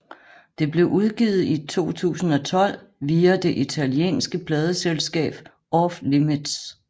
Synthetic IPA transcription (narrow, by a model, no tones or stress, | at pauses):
d̥e̝b̥le̝ʊʔuð̞ˠɡ̥iːð̩ˠit͡sʰo̝̰ːt͡sʰṵːsn̩ɒ̽t͡sʰɒ̽l̰ʋiːæd̥e̝ʔit͡sʰæljḛːnsɡ̥əpʰlɛːð̞ˠəselsɡ̥ɛ̰ːb̥ | ɒflimid̥s